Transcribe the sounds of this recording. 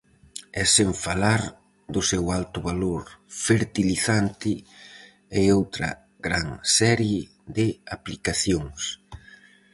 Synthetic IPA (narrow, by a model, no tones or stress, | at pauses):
ɛseɱfalaɾ | d̪ʊsɛwalt̪ʊβaloɾfeɾt̪iliθant̪ɪ | ɪowt̪ɾɐ̰ | ɡɾaŋsɛɾje | ðɪaplikaθjoŋs